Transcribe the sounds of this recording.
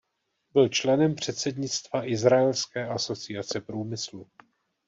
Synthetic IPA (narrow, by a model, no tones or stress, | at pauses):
bɪlt͡ʃlɛnɛmpr̝̥ɛt̪sɛdɲɪt͡st̪vaʔɪzɾaɛlskɛːʔaso̞t͡sɪjat͡sɛpɾuːmɪslu